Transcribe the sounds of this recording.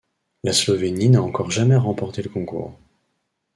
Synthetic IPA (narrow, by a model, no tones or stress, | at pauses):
laslɔveninaɑ̃kɔʁʒamɛʁɑ̃pɔʁt̪eləkɔ̃kṵːʁ